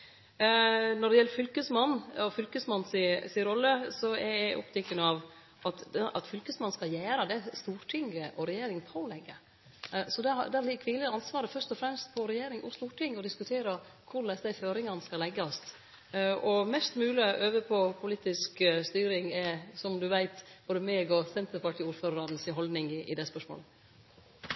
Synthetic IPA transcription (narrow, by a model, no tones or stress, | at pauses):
nɔɖɛjɛlːɾfʏlkəsmɑnːɔfʏlkəsmɑnːsɪsɪɾɔlːəsɔɛæʔɔ̰pt̪ʰɛkːənəɑʋ | ʔɑt̪ʔɑ̰t̪fʏlkəsmɑnskɑjæːɾɑd̪ɛæst̪uːɾʈ̪ʰɪŋʔɔɾɛjeːɾɪŋpʰoːlɛɡə | sɔd̪ɛd̪ɛæɾlɪkʰʋɪləɑnsʋɑːɾəfœɾʂt̪ɔfɾɛmst̪̚pʰɔɾɛjeːɾɪŋʊst̪uːɾʈ̪ɪŋɔd̪ɪskʉt̪ʰeːɾɑ | kʰʊɾlɛsd̪æɪføːɾɪŋɑnəskɑlɛɡːɑst̪ | ɔmɛst̪mʉːlɪʔøːʋəpʰɔpʰʊliːt̪ɪskst̪yːɾɪŋɛsɔmd̪ʉʋæɪt̪b̥oːd̪əmeːɡɔsɛnt̪əɾpɑʈʰiːuːɾføːɾɾɑnsɪɦɔld̪nɪŋɪʔɪ̰d̪ɛspœʂmo̰ːlə